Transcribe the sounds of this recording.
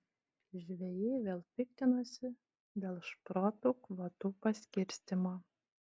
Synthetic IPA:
ʒʲʋʲɛjeʋʲeːlˠpʲɪk̚t̪ʲɪnosʲɪ | d̪ʲeːlˠʃpɾoːt̪ukʋɐt̪upɐsʲkʲɪɾʲsʲt̪ʲɪmoː

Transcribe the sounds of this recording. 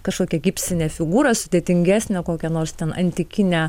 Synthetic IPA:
kɐʃkoːkʲɛɡʲɪpʲst̪ʲɪnʲeːfʲɪɡuːɾɐsʊd̪ʲeːt̪ʲɪŋʲɡʲæːsʲnʲɛkoːkʲɛnoːɾst̪ʲɛnɐ̰nʲt̪ʲɪkʲɪnʲɛː

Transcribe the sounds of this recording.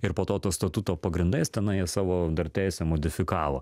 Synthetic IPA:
ɪɾpoːt̪oːt̪oːst̪ɐt̪ut̪oːpɐɡɾʲɪnd̪ɐɪst̪ʲɛnɐɪjiɛsɑːʋoːd̪ɐrt̪ʲæɪsʲɛmoːd̪ʲɪfʲɪkɑːʋo̰ː

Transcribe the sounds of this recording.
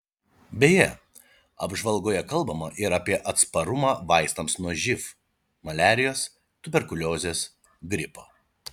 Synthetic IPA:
bʲeːjɛ | ɐ̰bʒʋɐlˠɡoːjɛkɐlˠˑbɐmɐʔɪɾɐːpʲiɛʔɐt̪spɐɾʊmɑːʋɑɪst̪ɐmsnuɔʒʲɪf | mɐlʲæːɾʲɪjoːs | t̪ʊbʲɛɾkʊlʲoːzʲeːs | ɡɾʲɪpoː

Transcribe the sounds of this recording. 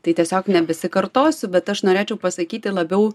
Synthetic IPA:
t̪ɐɪt̪ʲiɛsʲoːknʲɛbʲɛsʲɪkɐɾt̪oːsʲʊbʲɛt̪ɐʃnoːɾʲeːt͡ʃʲɛʊpɐsɐkʲiːt̪ʲɪlˠɐbʲɛʊ

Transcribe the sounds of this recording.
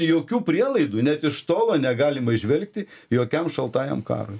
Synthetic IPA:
joːkʲuːpʲɾʲiɛlˠɐɪd̪uːnʲɛt̪ɪʃst̪oːlˠoːnʲɛɡɑːlʲɪmɐɪʒʲʋʲɛlʲk̚t̪ʲɪjoːkʲɛmʃɐlˠt̪ɑːjɛ̰mkɑ̰ːɾoj

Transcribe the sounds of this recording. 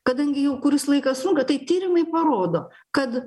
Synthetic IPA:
kɐd̪ɐŋʲɡʲɪjɛʊkʊɾʲɪslˠɐɪkɐsʊŋkɐt̪ɐɪt̪ʲiːɾʲɪmɐɪpɐɾoːd̪oː | kɐt̪

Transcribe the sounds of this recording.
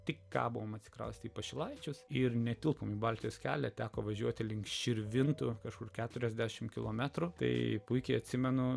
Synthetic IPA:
t̪ʲɪkkɑ̰ːbʊʋoːmɐtʲsʲɪ̥kɾɐ̰ʊsʲt̪ʲiːpɐʃʲɪlˠɐɪt͡ʃʲʊsɪrnʲɛt̪ʲɪlˠpomiːbɑlʲt̪ʲɪjoːskʲæ̰ːlʲɛt̪ʲæːkoːʋɐʒʲuɔt̪ʲɪlʲɪŋkʃʲɪɾʲʋʲɪnt̪ʊkɐʃkʊrkʲæːt̪ʊɾʲɛzʲd̪ʲæʃʲɪmkʲɪlˠoːmʲæt̪ɾʊt̪ɐ̰ɪpʊɪkʲɛɪɐt̪ʲsʲɪmʲɛnʊ

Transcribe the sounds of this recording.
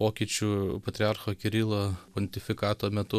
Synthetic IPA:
oːkʲiːt͡ʃʲuːpɐt̪ʲɾʲɪɑɾxoːkʲɛɾʲiːlˠoːpɔnʲt̪ʲɪfʲɪkɑːt̪oːmʲɛt̪ʊ

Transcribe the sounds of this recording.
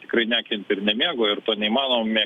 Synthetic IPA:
t̪ʲɪ̥kɾɐɪnʲæːkʲɪnʲp̪ʲɪɾnʲɛmʲeɛɡoːɪrt̪oːnʲɛɪimɑːnoːmmʲiː

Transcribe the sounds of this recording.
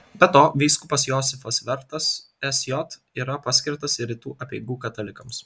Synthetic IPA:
bʲɛt̪oːʋʲɛɪskʊpɐsjɔːsʲɪfɐsʋʲɛɾt̪ɐs | ɛsʲjɔt̪ | iːɾɐpɑːsʲkʲɪɾt̪ɐsɪɾʲɪt̪uːʔɐpʲɛɪɡuːkɐt̪ɐlʲɪkɐms

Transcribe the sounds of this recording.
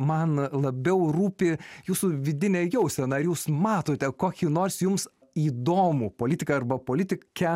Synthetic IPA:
mɐnlˠɐbʲɛʊruːpʲɪjuːsuʋʲɪd̪ʲɪnʲɛjɛʊsʲɛnɐɐɾjuːsmɑːt̪oːt̪ʲɛkoːkʲinoːrsʲjʊms | iːd̪oːmupoːlʲɪt̪ʲɪkɐɐrbɐpoːlʲɪt̪ʲɪkʲɛ

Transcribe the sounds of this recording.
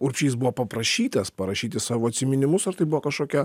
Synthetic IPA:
ʊɾʲpʲʃʲiːs̬bʊʋoːpɐpɾɐʃʲiːt̪ɐspɐɾɐʃʲiːt̪ʲɪsɑːʋoːɐt̪ʲsʲɪmʲɪnʲɪmʊsɐɾt̪ɐɪbʊʋoɔkɐʃkoːkʲɛ

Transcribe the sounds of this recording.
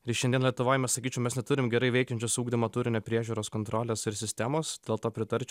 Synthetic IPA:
ɾʲɪʃɛnd̪ʲiɛnlʲiɛt̪ʊʋoːjmʲɛssɐkʲiːt͡ʃʲɛʊmʲɛsnʲɛt̪ʊɾʲɪmɡʲɛɾɐɪʋɛɪkʲɛnʲt͡ʃʲʊsuːɡd̪ʲɪmɐt̪uːɾʲɪnʲepʲɾʲiɛʒʲuːɾoːskont̪ɾoːlʲesɪɾsʲɪsʲt̪ʲæmoːsd̪ʲeːlˠt̪oːpʲɾʲɪt̪ɐɾʲt͡ʃʲ

